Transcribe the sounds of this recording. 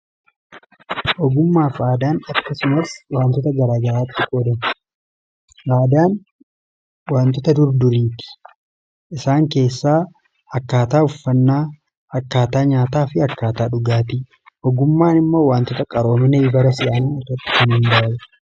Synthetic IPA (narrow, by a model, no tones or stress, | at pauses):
ʔɔɡʊmːaːfaːd̪aːnɐkːɐsʊmɐswaːnt̪ɔt̪ɐɡɐɾaːɡɐɾaːt̪ːɪkʼoːd̪ɐn | ʔaːd̪aːn | waːnt̪ɔt̪ɐd̪ʊɾd̪ʊɾiːt̪ɪ̥ | ʔɪsaːŋke̞ːsːaː | ɐkːaːt̪aːʊfːɐnːaː | ɐkːaːt̪aːɲaːt̪aːfɪɐkːaːt̪aːᶑʊɡaːt̪i | ʔɔɡʊmːaːnɪmːoːwaːnt̪ɔt̪ɐkʼɐɾo̞ːmɐnɛɪbɐɾɐsɪʔaːnɪɐt̪ːɐt̪ːɪ̥kɐnɪnd̪ɐʔɐjɛ